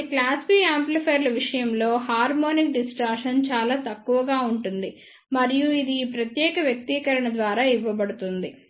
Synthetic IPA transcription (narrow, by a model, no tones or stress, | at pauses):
klaːsbiːaːmplipʰɐjɾlɐʋiʂɐjɐmlo̞ːɦaːɾmoːnikɖisʈaːɾʂɐnt͡ʃaːlaːt̪ɐkːuʋɐɡaːuɳʈund̪i | mɐɾijuid̪iːpɾɐt̪jɛːkɐʋjɐk̚t̪ikɐɾɐɳɐd̪ʋaːɾaːiʋːɐbɐɽut̪und̪i